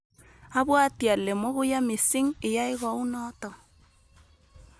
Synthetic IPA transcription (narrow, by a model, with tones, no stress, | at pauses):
a˦βwa˦tja˨le˨mo˦ɣu˦ja˦mi˨si˦ŋɪ˨ja˦i˦ɣɔ˨u˦nɔtɔ˨